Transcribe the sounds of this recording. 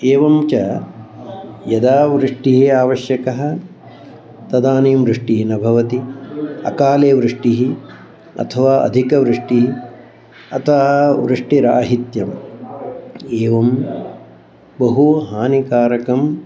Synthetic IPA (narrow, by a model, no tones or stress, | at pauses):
eːʋɐmt͡ʃɐ | jɐd̪aːʋɾɨʂʈiɦiaːʋɐʃjɐkɐɦɐ̆ | t̪ɐd̪aːneːmɾɨʂʈiɦinɐbʱɐʋɐt̪iɐ̰kaːleːʋɾɨʂʈiɦi | ɐ̰t̪ʰɐʋaːʔɐ̰d̪ʱikɐʋɾɪʂʈiɦi | ɐ̰t̪ʰɐʋɾɨʂʈiɾa̰ːɦit̪jɐm | eːʋɐm | bɐɦuɦaːnikaːɾɐkɐm